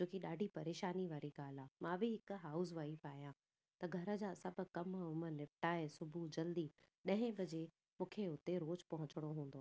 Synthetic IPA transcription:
d͡ʑoːkiɗaːɖʱipɐɾeːʃaːniʋaːɾiɡaːl̤aːmãːbʱɪɦɪkɦaːʊzʋaːipaːɦijã | t̪ɐɡʱɐɾə̆d͡ʑaːsɐbʱʊ̆kɐmʊmənɪpʈaːɦesʊbʱud͡ʑɐld̪i | ɗɐ̃ɦɪ̃bʱɐd͡ʑe | mũːkʰeʊt̪eɾoːd͡ʑpɐɦʊ̃t͡ɕɪɽ̃oɦũːnd̪oaː

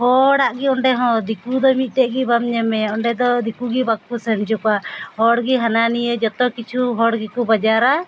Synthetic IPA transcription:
hɔɽaʔɡiɔɳɖɛɦɔ̃d̪ikud̪ɔmit̪̚ˀʈɛʔɡibamɲɛmɛɔɳɖɛd̪ɔd̪ikuɡibak̚ːusɛmd͡ʒɔkahɔɽɡiɦananijəd͡ʒɔt̪ɔkit͡ʃʰuɦɔɽɡikubad͡ʒaɾa

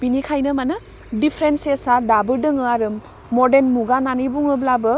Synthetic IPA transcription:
binikʰajnɯmanɯ | dipʰɾensesadabɯdɯŋɯaɾɯmː | ɔdenmuɡananibuŋɯblabɯ

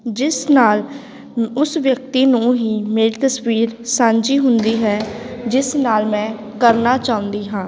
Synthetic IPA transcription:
d͡ʒɪsnaːl | ʊsʋjək̚t̪iːnũːɦiːmeːɾiːt̪əswiːɾsãːɲd͡ʒiːɦʊnd̪iːɦɛːd͡ʒɪsnaːlmɛ̃ː | kəɾnaːt͡ʃaːʊ̃nd̪iːɦãː

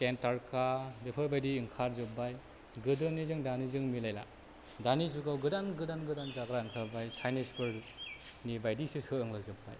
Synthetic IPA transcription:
kentaɾkadepʰɯɾbajdiːŋkʰaɾzɯbaj | ɡɯdɯnizɯŋdanizɯŋmilajla | danizuɡawɡɯdanɡɯdanɡɯdanzaɡɾaɯŋkʰabajsajnispɯɾ | nibajdisɯhɯɯŋlazɯbːa̰j

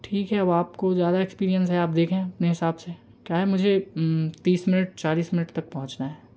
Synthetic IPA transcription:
ʈʰiːkɦɛɐaːpkozjaːd̪aekspiːɾijə̃nsɦɛaːp̚d̪eːkʰɦẽɐpneɦɪsaːbse | kjaːɦɛmʊd͡ʒʱet̪iːsmɪnəʈ̚t͡ʃaːliːsmɪnəʈt̪ɐk̚pɐɦʊ̃t͡ʃnaɦɛː

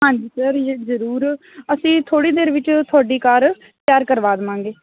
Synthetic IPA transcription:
ɦãːɲd͡ʒiːsəɾzəɾuːɾ | əsĩːt̪ʰoːɽiːd̪eːɾʋɪt͡ʃt̪ʰʊaːɖiːkaːɾ | pjaːɾkəɾʋaːd̪əmãːŋɡeː

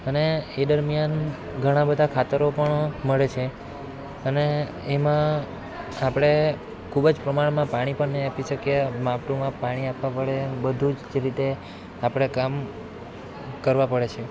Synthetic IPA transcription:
əneed̪əɾmjan | ɡʱəɽ̃ãbəd̪ʱakʰat̪əɾopəɳməɭet͡ʃʰe | əneː | mã | apəɽ̃e | kʰubəd͡ʒpɾəmaɳmãpaɽ̃ipəɳnəĩapiʃəkjemapʈomãpaɽ̃iapʋãpəɭebəd̪ʱud͡ʒd͡ʒeɾit̪e | apəɽ̃ekam | kəɾʋãpəɭet͡ʃʰe

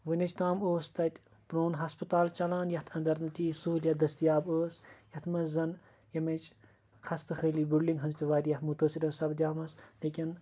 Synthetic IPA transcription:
ʋɨnʲɐt͡ʃʰt̪aːmoːst̪ɐt̪ʲ | pɾoːnɦɐspɨt̪aːlt͡ʃɐlaːnjɐht̪ʰɐnd̪ɐɾnɨt̪iːsuɦljɐd̪ɐst̪ijaːbəːsjɐht̪ʰmɐzɐn | jɐmɐt͡ʃ | kʰɐst̪ɐxəːliːbʲilɖiŋɡɦɐnzt̪ʲiʋaːɾʲjɐhmut̪əːsiɾəːsɐbd̪ʲaːmɐsleːkʲin

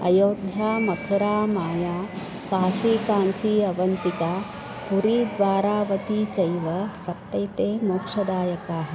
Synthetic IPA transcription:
ɐ̰joːd̪ʱjaːmɐt̪ʰuɾaːmaːjaː | kaːʃiːkaːɲt͡ʃiːɐʋɐnt̪ikaː | puɾiːd̪ʋaːɾaːʋɐt̪it͡ʃɐjʋɐsɐt̪ːɐjt̪eːmoːkʂɐd̪aːjɐkaːɦɐ̆

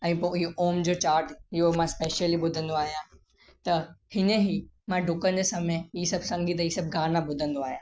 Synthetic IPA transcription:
ɛ̃ːpoɪɦoʔoːmd͡ʑoːt͡ɕaːɾʈɪɦomãspeːʃəliɓʊd̪ʱə̃nd̪oaːɦijã | t̪ɐhɪneɦimãɖʱʊkə̃nd͡ʑeːsɐmeisɐbsɐ̃ŋɡʱit̪̬ɐisɐb̚ɡʱaːnãbʊd̪ʱə̃nd̪oaːɦijãː

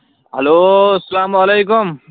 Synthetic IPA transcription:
ɦɐloɐsɐlamɐlejkʊm

